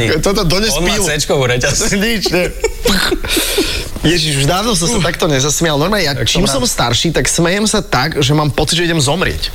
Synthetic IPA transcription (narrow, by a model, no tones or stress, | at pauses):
t̪ɔt̪ɔd̪ɔɲɛspilɛt͡ʃkɔʋuɾɛcasɲit͡ʃɲɛpx | jɛʒiʒuʒd̪aːʋnɔsasat̪ak̚t̪ɔɲɛzasmiɪalnɔɾmaːɲɛjat͡ʃiːmsɔmst̪aɾʃiːt̪aksmɛjɛmsat̪aɡʒɛmaːmpɔt͡siɟd͡ʒʒɛiɟɛmzɔmɾɪɛ̰c